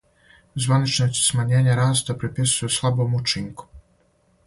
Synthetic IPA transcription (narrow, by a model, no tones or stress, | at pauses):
zvanit͡ʂnɔsʲsmaɲeːɲaɾast̪apɾɛpʲisujɛslˠabomut͡ʂiŋku̥